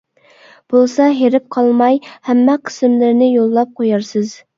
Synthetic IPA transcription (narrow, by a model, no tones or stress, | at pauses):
b̥olˠsɑɦeɾɪp̚qʰɑlˠmɑjhæmːɛqʰə̥sɪmlɪɾnɪjolˠːɑp̚qʰojɑɾsɨz